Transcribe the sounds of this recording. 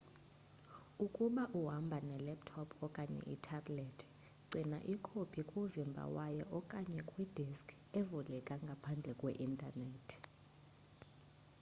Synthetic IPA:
ukʼuɓaʔuɦambʱanɛlɛp̚tʰɔpʰɔkʼaɲɛ̰ʔitʰabletʰi̥ | ǀʱina̰ʔikʰopʰʼikʼuvimbʱa̰wajɔʔɔkʼaɲɛkʼwid̥ʱiskʰ | evulɛkʼaŋɡʱapʰand͡ɮʱɛkʼwḛʔintʼanɛːtʰ

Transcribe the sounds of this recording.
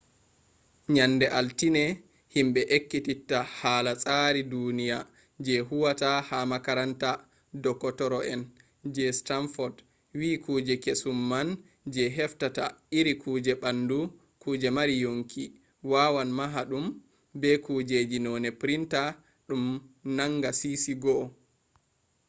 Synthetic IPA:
ɲanːdɛʔaltinɛ | himɓɛʔekːititːahaːlasʼaɾidunija | d͡ʒɛɦuwatahamakaɾanta | dɔkːɔtɔɾɔʔɛn | d͡ʒɛstanfɔd | wiːkuːd͡ʒɛkesumːan | d͡ʒɛɦɛftata̰iɾikʰuːd͡ʒɛɓandu | kuːd͡ʒɛmaɾijoŋkʰi | wawanmaɦaɗum | bɛkuːd͡ʒed͡ʒinɔnɛpɾinta | ɗumnaŋɡasisiɡɔ

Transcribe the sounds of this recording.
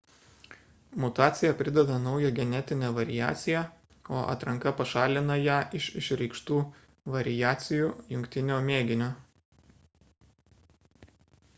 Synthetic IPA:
mʊt̪ɑːt̪sʲɪjɛpʲɾʲɪd̪ʲɛd̪ɐnɒʊjɛɡʲɛnʲɛt̪ʲɪnʲeːʋɐɾʲɪjæ̰ːt̪sʲɪjæ | oːʔɐ̰t̪ɾɐŋkɐpɐʃɑːlʲɪnɐjæːʔɪʃɪʃɾʲɛɪkʃt̪uː | ʋɐɾʲɪjæːt̪sʲɪjuːjʊŋʲkʲt̪ʲɪnʲoːmʲeːɡʲɪnʲoː

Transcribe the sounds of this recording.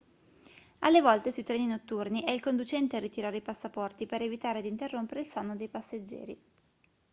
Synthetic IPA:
alːevɔlt̪esuit̪ɾɛːninot̪ːurniʔɛilkond̪ut͡ʃɛnt̪earit̪iɾaːɾeipasːapɔrt̪ipeɾevit̪aːɾed̪int̪erːompeɾeilsanːod̪ejpasːed͡ʒːɛ̰ːɾḭ

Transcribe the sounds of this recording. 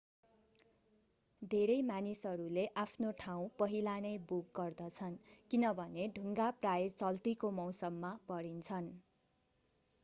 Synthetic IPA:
d̪ʱeɾʌjmanisʌɾuleʔapʰnoʈʰaw̃pʌɦilanʌjbukɡʌrd̪ʌt͡sʰʌnkinʌbʱʌneɖʱuŋɡaprajet͡sʌlt̪ikomʌwsʌmːapʌɾint͡sʰʌn

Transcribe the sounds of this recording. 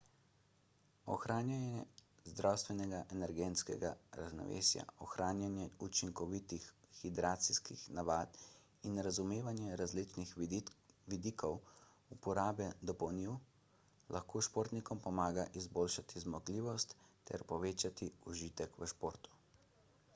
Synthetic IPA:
ɔ̰xɾaːnjanɛzd̪ɾʔawst̪ʋɛnɛɡaʔɛnɛɾɡɛnskɛɡaɾa̰znɔ̰ʋḛːsja̰ɔxɾaːnjanjɛut͡ʃiŋkɔʋit̪ixxid̪ɾaːt̪siskḭxnaʋaːt̪ | inɾazumeːʋanjɛɾazlit͡ʃnix | ʋid̪ikʰɔw | upɔɾaːbɛd̪ɔpɔwniw | lʔaxkʰoːʃpoːɾt̪nikɔmpɔmaːɡaʔizboːlʃat̪izmɔɡliːʋɔst̪ːɛ̰ɾpɔʋeːt͡ʃat̪iuʒiːt̪ɛkʋəʃpoːɾt̪u̥

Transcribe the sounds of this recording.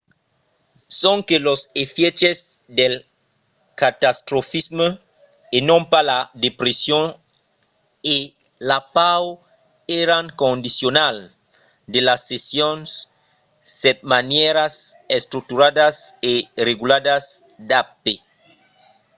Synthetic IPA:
sõŋkelosefjet͡ʃezd̪el | kat̪ast̪ɾofismə | enõmpalad̪epɾesjon | e | lapaw | eɾaŋkõnd̪isjonal | d̪elasːesjonsː | ɛt̪̚manjeɾasest̪ɾuk̚t̪uɾaðasereɣulaðas | d̪ape

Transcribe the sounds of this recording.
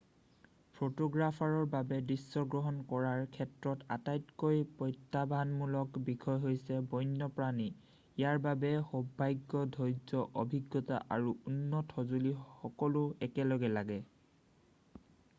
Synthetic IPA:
pʰotoɡɹapʰaɹɔɹbabɛdisːɔɡɹɔɦɔnkɔɹaɹkʰɛtɹɔta̰tajtkojpɔjtːabʱanmulɔkbikʰɔjɦojsɛbɔjnːɔpɹani | ijaɹbabɛxɔbʱːajɡːɔdʱɔjzɔʔɔbʱiɡːɔta̰ʔaɹuunːɔtɔzulixɔkɔlʊɛkɛlɔɡɛlaɡɛ

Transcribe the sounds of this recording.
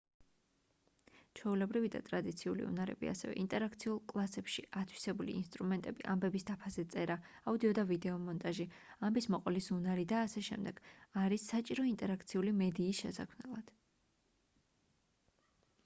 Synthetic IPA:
t͡ʃʰɛulɛbɾivid̪a̰t̪ʼɾad̪it̪sʰiulḭṵnaɾɛ̰bḭa̰sɛvɛ̰ʔint̪ʼɛɾak̚ʰt̪sʰiulˠkʼlˠasɛpʃiʔat̪ʰwi̥sɛbulḭḭnst̪ʼɾumɛnt̪ʼɛbḭʔambɛbisd̪apʰazɛt̪sʼɛɾa | aud̪iɔd̪avid̪ɛɔmɔnt̪ʼaʒi | ambismɔqʼɔlisunaɾid̪aːsɛʃɛ̰md̪ɛɡ̥aɾisːat͡ʃʼiɾɔint̪ʼɛɾak̚ʰt̪sʰiulimɛd̪iːsʃɛsa̰kʰmnɛlˠad̪̥

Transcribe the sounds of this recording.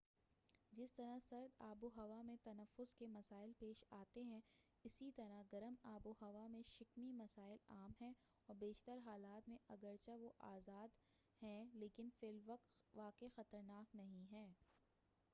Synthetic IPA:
d͡ʒɪst̪ɐɾasɐɾd̪aːboɦɐʋamẽt̪ɐnəfʊzkemɐsaːɪlpeːʃaːt̪eɦɛ̃ | ɪsit̪ɐɾaɡɐɾəmaːboɦɐʋamẽʃɪkmimɐsaːɪlaːmɦɛ̃ | ɔːɾbeːʃt̪əɾɦaːlaːt̪mẽʔɐɡəɾt͡ʃaʋoʔaːzaːd̪ | hɛ̃leːkɪnfɪlʋɐkt̪ʋaːkexɐt̪əɾnaːknɐɦĩɦɛː

